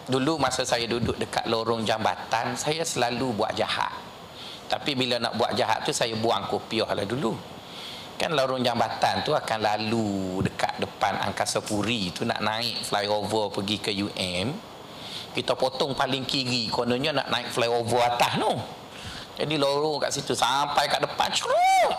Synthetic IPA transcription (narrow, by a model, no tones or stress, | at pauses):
dulumasasajadudʊʔ̚dəka̰ʔ̪̚loɾʊŋd͡ʒamba̰t̪ansajasəlalubua̰ʔ̚d͡ʒa̰ha̰t̪̚ | t̪ːapibilana̰ʔbua̰ʔ̚d͡ʒaɦa̰tʔ̪̚t̪usajabuaŋkopiɔhla̰hdulu | kanloɾʊŋd͡ʒambat̪ant̪uakanlaludəka̰t̪̚dəpana̰ŋkasapuɾit̪una̰ʔnãɪʔ̚flajovəpəɡikəjuʔɛm | kit̪awpot̪ɔŋpalɪŋkiɾikonəɲəna̰ʔnãɪʔflajovəat̪ahnɔ | d͡ʒadiloɾʊŋka̰ʔsit̪usampajkaʔdəpa̰nt͡ʃuɾoʔ